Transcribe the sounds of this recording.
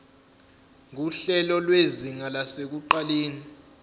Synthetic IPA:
ŋuɬɛlɔlweziŋalasek̬uǃaleːni

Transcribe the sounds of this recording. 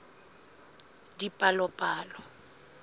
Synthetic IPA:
dipʼalɔpʼaːlɔ

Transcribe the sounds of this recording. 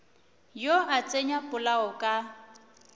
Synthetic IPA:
joʔat͡sʼeɲapʼʊlaɔkʼa

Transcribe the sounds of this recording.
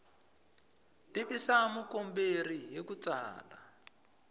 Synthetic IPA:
tiβisamukomberijekut͡sa̰ːla

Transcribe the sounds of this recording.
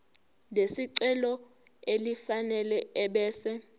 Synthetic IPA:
lesiǀɛlɔ | elifanɛlɛɛɓɛːsɛ

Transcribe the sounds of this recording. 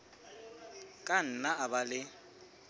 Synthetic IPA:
kʼan̩naabalɪ

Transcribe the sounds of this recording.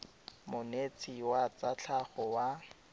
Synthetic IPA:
mʊnet͡siwat͡sat͡ɬʰaχɔwa

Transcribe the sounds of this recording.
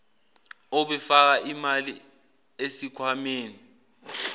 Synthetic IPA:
ɔɓɛfak̬aʔimali | esikʰwameːni

